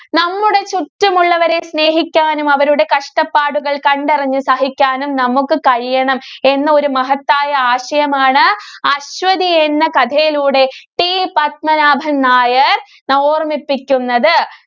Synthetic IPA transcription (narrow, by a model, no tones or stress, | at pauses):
nɐmːuɽe̞t͡ɕuʈːɐmuɭːɐʋɐɾe̞sne̞ːɦikʲːaːnumɐʋɐɾuɽe̞kɐʂʈɐpːaːɽuɣɐɭkɐɳɖirɐɲːɨsɐɦikʲːaːnumnɐmukːɨkɐɻijɐɳɐme̞nːɐo̞ɾumɐɦɐt̪ːaːjɐaːɕɐjɐmaːɳɨɐɕʋɐðienːɐkɐd̪ʰʱɐjiluːɽe̞ʈipɐt̪̚mɐnaːbʱɐnːaːjɐr | noːrmipːikʲːunːɐðɨ